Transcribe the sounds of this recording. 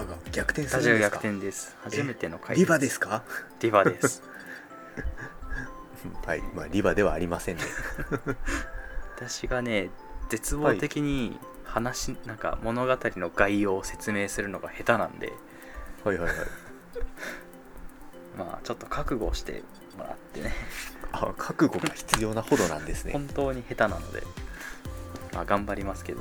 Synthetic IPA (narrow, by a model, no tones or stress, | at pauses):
ɡaɡʲakɯ̟̥t̪ẽsaiɡaɡʲakɯt̪ẽnd̪e̞sɨ̥haʑime̞t̪e̞no̞kʰaiɾʲibad̪esɨ̥kaɾʲibad̪essɨ̥ | haḭmaːɾʲibad̪e̞βaːɾʲimasẽ̞nd̪e | βat̪aɕiɡane̞ze̞t͡sɨboːt̪e̞kʲiɲ̟i | hanaɕinãŋka̰mo̞no̞ɡat̪aɾʲino̞ɡaio̞ːse̞̥t͡sɨme̞ːsɨɾɯ̟no̞ɡahe̞t̪anã̰nd̪e̞̰ | haihaiha̰i | ma̰ːt͡ɕo̞t̪ːo̞kakɯ̟ɡo̞ɕi̥t̪e̞̰ | mo̞ɾa̰t̪ːe̞ne̞akʰakɯ̟ɡo̞ɡaçi̥t͡sɨjo̞ːnahod̪o̞nã̰nd̪e̞sɨneõnt̪o̞ːɲ̟ihe̞t̪anano̞̰d̪e̞̰ | maɡãmbaɾʲimasɨ̥ke̞d̪o